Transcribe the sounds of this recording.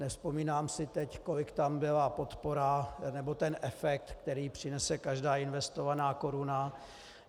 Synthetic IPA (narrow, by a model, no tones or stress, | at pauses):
nɛfspo̞miːnaːmsɪt̪ɛcko̞lɪkt̪ambɪlapo̞t̪po̞ɾanɛbo̞t̪ɛnʔɛfɛk̚t̪kt̪ɛɾiːpr̝̥ɪnɛsɛkaʒdaːɪnvɛst̪o̞vanaːko̞ɾuna